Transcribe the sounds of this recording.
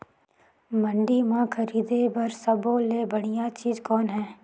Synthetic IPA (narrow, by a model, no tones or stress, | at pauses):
məɳɖimãkʰəɾiːd̪ebɐɾsəbõːleːbəɽ̃ijaːt͡ʃiːzkɔːnɦɛː